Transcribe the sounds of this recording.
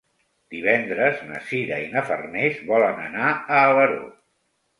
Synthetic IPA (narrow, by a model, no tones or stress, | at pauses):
d̪iβ̞ɛnd̪ɾəznə̰siɾəinəfərnezβɔlənə̰naəːləɾo̰